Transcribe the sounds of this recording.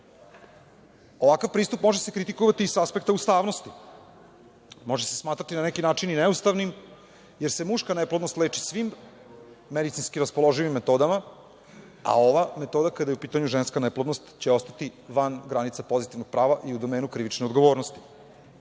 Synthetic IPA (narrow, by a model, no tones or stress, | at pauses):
o̞ʋakavpɾiːst̪upmo̞ʒesekɾit̪ikoʋat̪iːsaspek̚t̪aust̪aːʋno̞st̪i | mo̞ʒese̞̥smaːt̪ɾat̪inanekinaːt͡ʃininɛust̪aʋnim | je̞ɾse̞muʃkaneplˠod̪no̞st̪leːt͡ʃisʋimː | ed̪it̪sinskiɾaspo̞lˠo̞ʒujʋimːet̪o̞ːd̪ama | a̰o̞ʋame̞t̪o̞ːd̪akad̪ajeupiːt̪aɲuʒenskaneplˠod̪nost̪t͡ɕe̞o̞st̪at̪iʋanɡɾanit̪sapo̞zit̪iʋno̞ɡ̚pɾaːʋaʔiud̪omeːnukɾiʋit͡ʃneod̪ɡo̞ʋo̞ːɾnost̪i̥